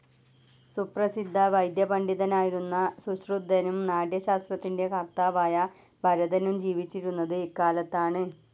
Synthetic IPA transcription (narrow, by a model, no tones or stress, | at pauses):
suprɐsid̪ʱːɐʋɐjd̪jɐbɐɳɖiðɐnaːjiɾunːɐsuɕrud̪ʱːɐnumnaːɖjɐɕaːst̪rɐt̪ːinde̞kɐrt̪aːʋaːjɐ | bʱɐɾɐðɐnumd͡ʑiːʋit͡ɕːiɾunːɐðɨikːaːlɐt̪ːaːɳɨ